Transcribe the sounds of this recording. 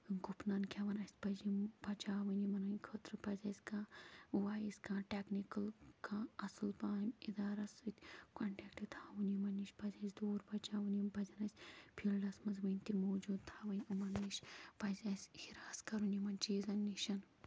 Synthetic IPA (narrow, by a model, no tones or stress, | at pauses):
ɡupnɐnkʰʲɐʋɐnɐsʲpɐzimbɐt͡ʃaːʋɐnimɐnɐnkʰoːt̪ɾɨpɐzʲɐsʲkãːʋaːjisʲkãːʈeknikɐlkʰãːɐslpaːmʲid̪aːɾɐsɨt̪ʲkɐɳʈekʈit̪ʰaːʋɐnimɐnːiʃpɐzʲɐːsd̪oːɾbɐt͡ʃaːʋɐnimbɐzʲɐnɐsʲpʰilɖɐsmɐnzʋɐnʲt̪imoːd͡ʒuːd̪t̪ʰaːʋɐnʲumɐnːiʃpɐzʲɐsʲhiɾaːskɐɾunimɐnʲt͡ʃiːzɐnːiʃɐn